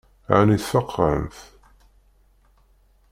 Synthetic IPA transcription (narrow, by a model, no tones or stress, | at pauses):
ʕa̰niθfɑqʰːəɾə̰mθ